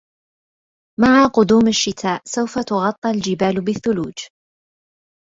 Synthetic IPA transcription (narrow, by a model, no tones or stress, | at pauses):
maʕaqʊd̪uːmaʃːɪt̪ʰaːʔsawfat̪ʊɣɑt̪ˤːɪld͡ʒɪbaːlbɪθːʊluːd͡ʒ